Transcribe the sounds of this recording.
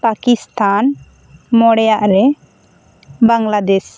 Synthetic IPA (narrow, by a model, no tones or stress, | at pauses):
pakist̪ʰan | mɔɽɛjaʔɾɛ | baŋɡlad̪ɛs